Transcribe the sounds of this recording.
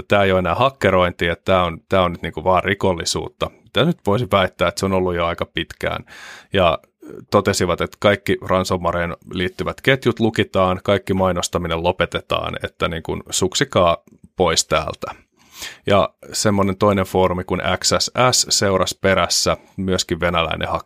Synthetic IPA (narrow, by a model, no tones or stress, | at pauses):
t̪æːejoenæːhɑkːeɾo̞int̪iːet̪t̪æːont̪æːonyt̪niːŋkuʋɑːrrikolːisṵːt̪ːɑmit̪æsnyt̪ʋoisiʋæit̪ːæːet̪seonolːujoɑikɑpit̪kæ̰ːnjɑ̰ | t̪ot̪esiʋɑt̪et̪kɑikːirɑnsomːɑɾeːnliːt̪ːyʋæt̪ket̪jut̪lukit̪ɑːnkɑikːimɑinost̪ɑminellopet̪et̪ɑ̰ːnḛt̪ːæniːŋkunsuksikɑː | poist̪æ̰ːlt̪æ̥ | jɑ̰semːonent̪o̞ineɱfoːɾumikunʔæ̰ksæsæsseurɑspeɾæsːæ | myøskiʋʋenælæ̰inʔḛhɑkː